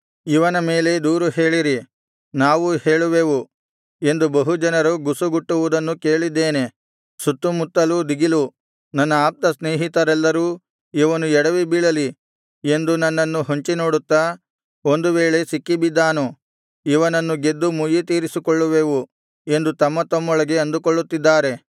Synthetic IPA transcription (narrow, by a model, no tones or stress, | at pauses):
iʋɐnɐme̞ːle̞d̪uːɾuɦe̞ːɭiɾi | naːʋuhe̞ːɭuʋeːʋu | e̞nd̪ubɐɦud͡ʒɐnɐɾuɡusuɡuʈːuʋud̪ɐnːuke̞ːɭid̪ːe̞ːne̞ | sut̪ːumut̪ːɐlud̪iɡilu | nɐnːɐaːp̚t̪ɐsneːɦit̪ɐɾɛlːɐɾuː | iʋɐnuɛɽɐʋibiːɭɐli | e̞nd̪unɐnːɐnːuɦoɲt͡ʃino̞ːɽut̪ːaː | o̞nd̪uʋeːɭe̞sikːibid̪ːaːnu | iʋɐnɐnːuɡe̞d̪ːumujit̪iːɾisikɔɭːuʋe̞ːʋu | e̞nd̪ut̪ɐmːɐt̪ɐmːɔɭɐɡe̞ɐnd̪ukoɭːut̪ːid̪ːaːɾe̞